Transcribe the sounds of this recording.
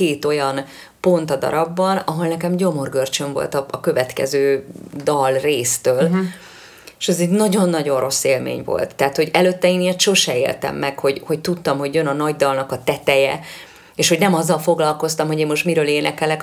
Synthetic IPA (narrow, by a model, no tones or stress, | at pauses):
keːt̪o̞jɒn | po̞nt̪ɒd̪ɒ̰ɾɒbːɒnɒɦo̞lnɛkɛmɟo̞mo̞rɡørt͡ʃø̞ɱvo̞̰lt̪ɒɒkø̞vɛt̪kɛ̰zøːd̪ɒlreːst̪øːl | eʃɛzɛɟnɒɟo̞nːɒɟo̞nrʔo̞sːeːlmḛːɲvo̞̰lt̪ːɛːt̪ho̞ɟɛløt̪ːɛeːnet̪ʃo̞ʃɛḛːlt̪ɛ̰mːɛkho̞ɟho̞ct̪ut̪ːɒmɦo̞ɟjønɒnɒɟd̪ɒlnɒkɒt̪ɛt̪ɛjɛ̰ | eːʃho̞ɟnɛmɒzːɒlfo̞ɡlɒlko̞st̪ɒmɦo̞ɟeːmmoʃt̪miɾøːleːnʔɛkɛlɛk